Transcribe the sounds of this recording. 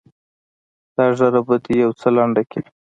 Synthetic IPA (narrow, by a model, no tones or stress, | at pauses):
d̪̥ɑʒaɾabəd̪ijawt͡səlaɳɖake